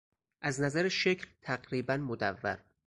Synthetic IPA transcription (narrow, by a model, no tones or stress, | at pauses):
ʔæznæzæɾeʃe̞cʰlt̪ʰæɢɾiːbænmod̪ævːæ̰ɾ